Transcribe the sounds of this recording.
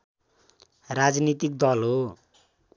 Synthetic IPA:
rad͡znit̪ik̚d̪ʌlɦo

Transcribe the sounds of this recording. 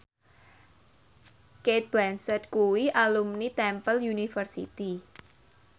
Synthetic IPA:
ket̪̚b̥lɛnsət̪̚kuwiʔalumnit̪ɛmpəljunifərsḭt̪i

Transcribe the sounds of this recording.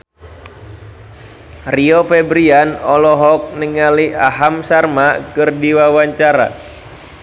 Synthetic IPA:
riofɛbɾianɔlɔɦɔk̚nəŋaliaɦamsarmakɨrdiwawaɲt͡ʃaɾa̰

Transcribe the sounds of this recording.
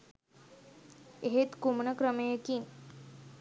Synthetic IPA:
eɦet̪kumɳəkɾəmejekiːn

